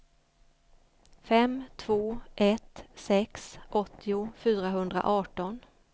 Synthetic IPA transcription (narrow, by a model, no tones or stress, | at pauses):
fɛmt̪ʰvoːʔɛt̪sɛksʔɔt̪ʰːɪʊfyːɾaɦɵnd̪ɾa̰ʔɑːʈɔn